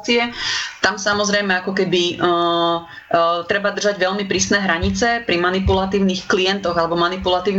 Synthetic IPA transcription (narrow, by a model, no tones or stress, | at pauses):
t͡siɛt̪amsamɔzɾɛjmɛakɔkɛbi | t̪ɾɛbad̪rʒaɟʋɛʎmipɾiːsnɛːɦɾaɲit͡sɛpɾimanipulat̪iːʊniːxklijɛnt̪ɔɣalɛbɔmanipulat̪iːʊn